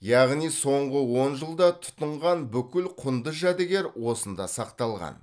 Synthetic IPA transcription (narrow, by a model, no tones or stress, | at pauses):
jɑʁnijso̞ɴʁəwo̞nʒəlˠd̪ɑt̪ʰʊ̥t̪əɴʁɑnbʏkʲɪlqʰʊnd̪əʒæd̪eɡʲeɾwo̞sənd̪ɑsɑqt̪ɑlˠʁɑ̰n